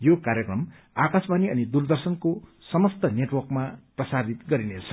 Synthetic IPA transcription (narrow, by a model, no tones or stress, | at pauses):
jokaɾjʌkrʌm | akasbaniʌnid̪urd̪ʌrsʌnko | sʌmʌst̪ʌneʈwʌrkmaprʌsad̪ʱit̪ɡʌɾinet͡sʰʌ̥